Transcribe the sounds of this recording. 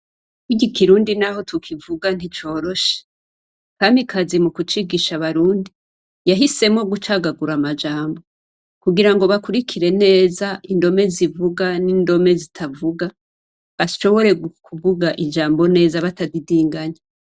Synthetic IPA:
kiɟikiɾuːndinaɦo̞tʰukʰivuɡan̥it͡ʃo̞ːɾo̞ʃe̥ | kaːmbikʰazimukut͡ʃiɡiʃaβaɾuːndi | jaɦise̞mo̞ɡut͡ʃaɡaɡuɾamad͡ʒaːmbo̞ | kuɡiɾaŋɡo̞βakuɾikʰiɾe̞ne̞ːzaʔindo̞me̞zivuɡaniːndo̞me̞zitʰavuɡa | βaʃo̞βo̞ɾe̞ɡukʰuβuɡaʔid͡ʒaːmbo̞ne̞ːzaβatadidiːŋɡaɲa

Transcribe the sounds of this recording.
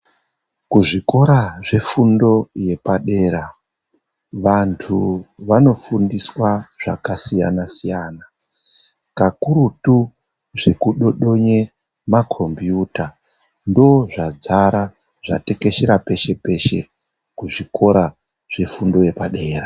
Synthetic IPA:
kuʐiko̞ɾaʐe̞fundo̞je̞paɗe̞ɾa | ʋantʰuʋano̞fundiswaʐ̥a̰kasija̰nasijaːna | kakuɾutu | ʐe̞kuɗo̞ɗo̞ɲe̞ | makʰo̞mbjuta | ndo̞ʐad͡zaɾa | ʐa̰te̞ke̞ʃeɾape̞ʃe̞pe̞ʃe̞̰ | kuʐikʰo̞ɾa | ʐ̥e̞fundo̞je̞paɗe̞ːra

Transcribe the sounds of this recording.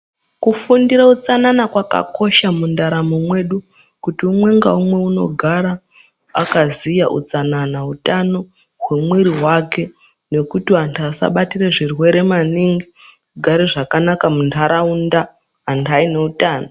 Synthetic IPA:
kufundiɾaut͡sananakwaka̰ko̞ʃamundaɾamomwe̞ɗu | kutiumwe̞ŋɡa̰umwe̞uno̞̰ɡʱaɾa | a̰kazijaʔṵt͡sananautano̞ | ɦwe̞mweɾiɦwake̞ | ne̞kutiantʰasa̰ɓatireʐirwe̞ɾe̞maniŋɡi | ɡʱaɾiʐakanakamuntʰaɾaundaː | ntʰaine̞utaːno

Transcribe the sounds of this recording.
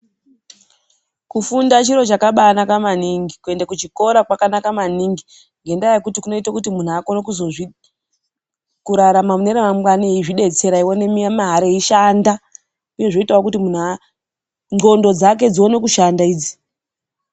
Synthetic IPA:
kufundat͡ʃiɾo̞t͡ʃakaɓanakamaniŋɡikue̞ndakut͡ʃiko̞ɾakwakanakamaniŋɡi | ŋɡe̞ndajekutikuno̞itakutimun̤uako̞nekuzoʐi | kuɾaɾamamuneɾemamɡwaneiʐiɗe̞t͡se̞ɾaiwo̞ne̞miamaɦaɾeiʃanda | uje̞ʐoitawokutimun̤ua | ŋɡo̞ndo̞d͡zake̞d͡zio̞nekuʃandaiːd͡zi̥

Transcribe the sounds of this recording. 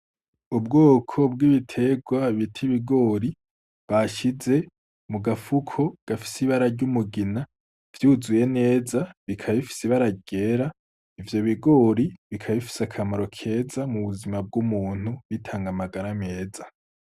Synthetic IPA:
ubɡoːkʰo̞bɡiβitʰe̞ɡwaβitʰiβiɡo̞ːɾi | βaʃize̞ | muɡafukʰo̞ɡ̥afi̥siβaɾaɾɟumuɡina | v̥juːzuje̞ne̞ːzaβikʰaβifi̥siβaɾaɟe̞ːɾa | ivjo̞βiɡo̞ːɾiβikʰaβifi̥sakʰamaɾo̞kʰe̞ːzamuβuzimab̚ɡumuːn̥huβitʰaːŋɡamaɡaɾame̞ːza

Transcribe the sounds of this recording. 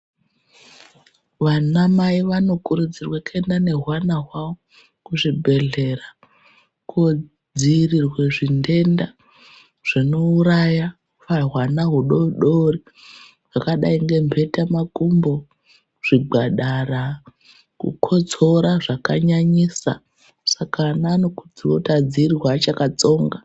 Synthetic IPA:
ʋanamaiʋano̞kuɾud͡zirwake̞ndane̞ɦwanaɦwao | kuʐibʱe̞ɮe̞ɾa | ko | d͡zirirwe̞ʐinde̞nda | ʐ̥inouɾaja | faɦwanaɦuɗoɗori | ʐakaɗaiŋɡe̞mbʱe̞tamakumbo̞ | ʐ̥iɡ͡bʱaɗara | kṵkʰo̞t͡so̞ɾaʐakaɲaɲisa̰ | sakaːnaːno̞kud͡ziwotad͡ziːriwat͡ʃakat͡so̞ːŋɡa

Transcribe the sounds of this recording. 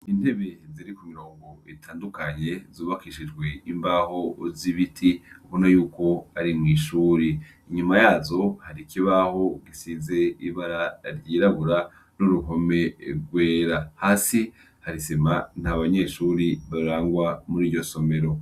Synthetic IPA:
inde̞βe̞ziɾikumiɾoːŋɡo̞itʰaːndukaɲezuːβakiʃid͡ʒɡwe̞imbaho̞ziβitʰiukunajuːko̞aɾimŋiːʃuːɾiː | ɲumajaːzo̞haɾikiβaho̞ɡisiːze̞iβaɾaɾɟiːɾaɡuɾa | nuɾuɦo̞me̞ɾɡweːɾahaːsi | haɾiseman̥haβaɲe̞ʃuɾiβaɾaːŋɡwamuɾiːɾɟo̞so̞me̞ɾo̞

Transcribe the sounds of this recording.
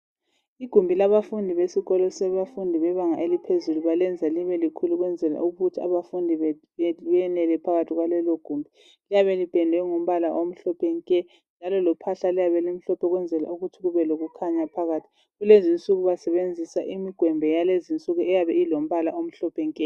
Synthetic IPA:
iɡ̥ʱumbʱilaβafundʱiβesiɣɔlɔsɛβafundʱiβɛβaŋa̰ʔelipʰezuluβalɛnd͡zʱaliβɛlikʰuluɣwɛnd͡zʱɛla̰ʔuɣutʰia̰βafundʱi | βɛɛnɛlɛpʰaɣatʰiɣwalɛlɔɡ̥ʱumbʱi | lijaβɛlib̥ʱɛndʱɛŋom̩βalaʔom̩ɬɔpʰɛŋkʼɛ | nd͡ʒʱalɔlɔpʰaɬalijaβɛlim̩ɬɔpʰɔɣwɛnd͡zʱɛla̰uɣutʰiɣuβɛloɣukʰaɲapʰaɣaːtʰi̥ | ɣulezint͡sʼuɣuβasɛβend͡zʱisaʔimiɡ̥ʱwɛmbʱɛjalezint͡sʼuɣuɛjaβɛilom̩βalaom̩ɬɔpʰɛŋkʼɛ

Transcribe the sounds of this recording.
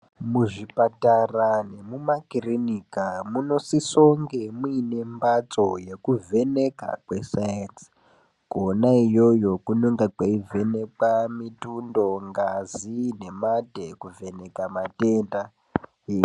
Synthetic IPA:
muʐipatarane̞mumakirinikamuno̞siso̞ŋɡe̞mwine̞mbat͡so̞je̞kuve̞ne̞ka̰kwe̞sajans | ɡ̥onaijo̞jo̞kunoŋɡakaive̞ne̞k͡pamitundo̞ŋɡazine̞madʱe̞kuve̞ne̞kamateːnda

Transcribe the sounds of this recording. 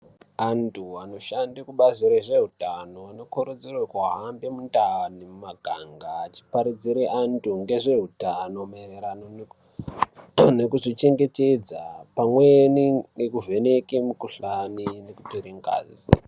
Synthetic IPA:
antʰuano̞ʃandikuɓaziɾeʐe̞ɦutano̞ano̞koɾud͡zirwakaɦambemundanimumaɡʱaŋɡaːt͡ʃi̥paɾid͡ziɾeʔantʰuŋɡe̞ʐe̞ɦutano̞maereɾano | nekuʐit͡ʃe̞ŋɡe̞te̞d͡zapamweniɡekuve̞ne̞kemukuɬanineku̥toɾiŋɡa̰ːzi

